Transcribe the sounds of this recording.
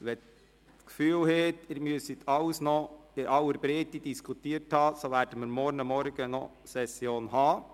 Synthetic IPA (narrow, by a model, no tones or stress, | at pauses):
ʋɛ | t͡skfyːlheːt̪ɪɾmyəsit̪ʰɑʊsnɔɪʔɑwəɾbɾeːt̪id̥iskʰutiːəɾthɑːsoʋæːɾd̥əməɾmɔɾnəmɔɾɡ̥ənɔ̰ | sɛsjoːnhɑː